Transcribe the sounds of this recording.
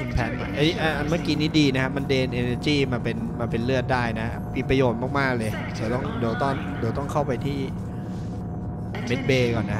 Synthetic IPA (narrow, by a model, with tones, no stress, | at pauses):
u˧npʰɛː˨˧nma˨˧˩ʔʔa˧ʔa˧nma˥˩kiː˨˧niː˦˥diː˧na˦kʰa˦˥ma˧ndeː˧nʔeː˧neː˧t͡ɕiː˥˩maː˧pe˧nmaː˧pe˧nlɯ˥˩ət̪̚daː˥˩jna˦˥a˦˥mi˧pɾa˧joː˨˩t̪̚maː˥˩k̚maː˥˩k̚lɤː˧j | t͡ɕ̪ʰa˨˧˩t̪ɔ˥˩ŋdeː˧t̪ɔ˥˩n | deː˧wt̪ɔ˥˩ŋkʰa˥˩wpa˧jt̪ʰiː˥˩ | me˦˥t̪̚beː˧kɔ˨˩nːa˦˥